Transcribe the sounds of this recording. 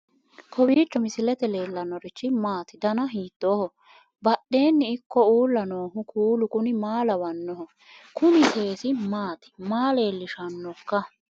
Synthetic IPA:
kʰɔbiːt͡ʃːɔmɪsɪlɛt̪ɛle̞ːlːɐnːɔɾɪt͡ʃːɪmaːt̪ɪd̪ɐnɐɦiːt̪ːoːhɔ | bɐɗːe̞ːnːɪɪkːɔuːlːɐno̞ːɦʊkʰuːlʊkʊnɪmaːlɐwɐnːɔhɔ | kʰʊnɪt̪eːsɪmaːt̪ɪ̥maːle̞ːlːɪʃɐnːɔkːɐ

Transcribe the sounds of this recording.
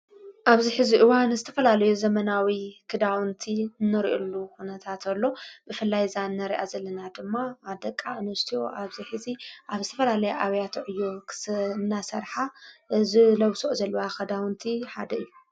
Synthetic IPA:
ʔaβziħɨziʔɨwanzɨt̪ʰɐfɐlalɐjuzɐmɐnawikʰɨd̪awɨnt̪ʰiɨnːɨɾiʔulːuxunɐt̪ʰat̪ʰɐlːo̞bɨfɨlːajzanːɐɾiʔazɐlːɐnad̪ɨmːaːd̪ɐkʼːaɨnwst̪ʰijo̞̰ʔaβziħɨziʔaβzɨt̪ʰɐfɐlalɐjaʔaβjat̪ʰʕɨjːoknːasɐɾħazɨlɐwsoʔzɐlːɐwakʰɐd̪awnt̪ʰiħa̰d̪ɐɨjːu

